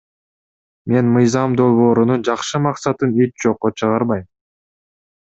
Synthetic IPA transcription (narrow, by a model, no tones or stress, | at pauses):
me̞nmɯjzɑmd̪o̞lˠβo̞ːɾunund͡ʒɑqʃɯmɑqsɑt̪ɯnit͡ʃd͡ʒo̞qːot͡ʃʰɯʁɑɾβɑjm